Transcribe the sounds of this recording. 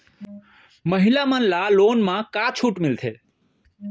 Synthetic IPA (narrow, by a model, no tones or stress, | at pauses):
məɦilamənlalonmãkat͡ʃʰuʈmɪlt̪ʰe